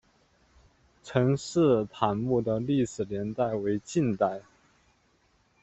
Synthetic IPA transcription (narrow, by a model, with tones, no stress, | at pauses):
ʈ͡ʂʰɤ˧˥ŋʂɻ̩˥˧t̪ʰa˧˥nmu˥˩d̪ə˩li˥˩ʂɻ̩˨˩ljɛ˧˥nt̪a˥˩ɪwe˧˥ɪt͡ɕi˥˧nt̪a˥˩ɪ